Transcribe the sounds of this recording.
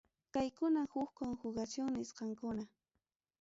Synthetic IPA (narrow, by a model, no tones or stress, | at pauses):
kajkʊnahʊxkoŋxʊɢat͡ʃʊŋnɪsqɑŋkʊna